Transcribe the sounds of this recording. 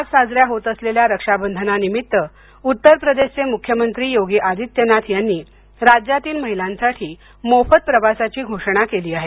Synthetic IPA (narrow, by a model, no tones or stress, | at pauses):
at͡ssad͡zɾjaɦot̪əsleljaɾəkʂabənd̪ʱənanimit̪ːə | ut̪ːəɾpɾəd̪eɕt͡semukʰjəmənt̪ɾiːjoɡiʔad̪ʱit̪jənat̪ʰjanːiː | ɾad͡ʑjat̪iːlməɦilãnsaʈʰiː | mofət̪̚pɾəʋasat͡ɕiːɡʱoʂəɽ̃akeliːaɦe